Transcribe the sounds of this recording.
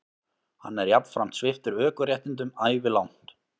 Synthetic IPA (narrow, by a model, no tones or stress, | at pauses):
ha̰nːɛɾjapn̥fɾam̥t̪svɪft̪ʏɾœːkʏɾjɛjht̪ɪnt̪ʏmaːjvɪlawn̥t̪